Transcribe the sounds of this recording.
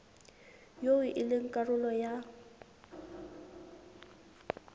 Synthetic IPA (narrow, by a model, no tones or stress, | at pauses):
jowɪʔɪlɪŋ̩kʼarʊlɔja